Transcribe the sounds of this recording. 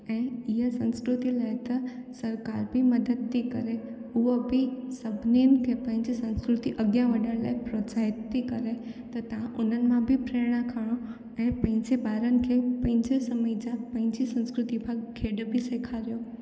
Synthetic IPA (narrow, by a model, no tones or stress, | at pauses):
ɛ̃ːɪɦəsɐ̃nskɾʊt̪ilaːɪt̪ɐsɐɾkaːɾbimɐd̪əd̪t̪ikɐɾeʊɦobɪsɐbʱɪninɪ̆kʰepɐ̃ɦɪ̃ɲd͡ʑisɐ̃nskɾʊt̪iʔɐɡjãʋɐɗəɽ̃la̰ːɪpɾoːt͡ɕaːɦɪt̪ːikɐɾet̪ɐt̪ɐʋ̤ãʔʊn̤ənɪ̆mãbʱɪpɾeːɽ̃akʰəɽ̃o | ɛ̃ːpɐ̃ɦɪ̃ɲd͡ʑebaːɾənɪ̆kʰepɐ̃ɦɪ̃ɲd͡ʑesɐməid͡ʑapɐ̃ɦɪ̃ɲd͡ʑisɐ̃nskɾʊt̪ipʰakʰeːɖbʱɪseːkʰaɾijo